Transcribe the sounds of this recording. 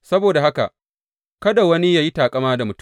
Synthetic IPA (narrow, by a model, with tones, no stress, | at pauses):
sɐ˦boː˨da˨ha˦ka̰˨ʔ | kɐ˦da˨wɐ˦ni˦jaː˦ji˦taː˨kʼɐ˦maː˦da˨mʊ˦t